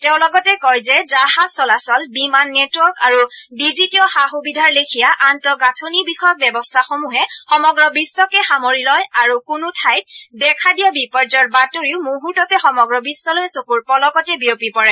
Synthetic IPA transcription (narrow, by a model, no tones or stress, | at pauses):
tɛʊ̃lɔɡɔtɛkɔjzɛzahasɔlasɔlbimanːetuɔɹkaɹudizitiɔxaxubidʱaɹlekʰijaʔantɔɡatʰonibixʰɔjɔk̚bɛbɔstʰaxomuɦɛxɔmɔɡɹɔbisːɔkɛxamoɹilɔjaɹukunutʰajt̚dɛkʰadijɔbipɔɹd͡ʒɔɹbatoɹiʊmoɦutɔtɛxɔmɔɡɹɔbisːɔlojsokuɹpɔlɔkɔtɛbiopipɔɹɛ